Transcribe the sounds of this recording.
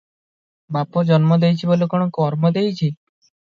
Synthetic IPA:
bapɔd͡ʒɔnmɔd̪ejt͡ʃʰibolekoɽ̃ɔkɔɾmɔd̪ejt͡ʃʰi

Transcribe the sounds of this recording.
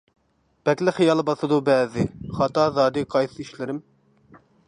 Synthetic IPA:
b̥ɛkʲlɪχijɑlˠbɑsɨd̪ubɛːzɪχɑt̪ɑzɑːd̪ɨqʰɑjsɨiʃlɪɾɪm

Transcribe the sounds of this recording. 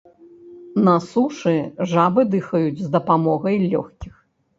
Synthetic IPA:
nɐsuʂɨʐabɨd̪ɨxɐjud͡zʲzd̪ɐpamɔɣɐjlʲɔ̰xkʲix

